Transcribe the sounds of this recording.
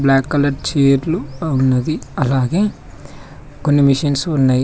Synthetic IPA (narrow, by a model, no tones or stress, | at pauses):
blaːkːɐlɐɖ̚t͡ʃeːɾluɐunːɐd̪iɐlaːɡe̞ː | konːimiʃɐnsunːaːji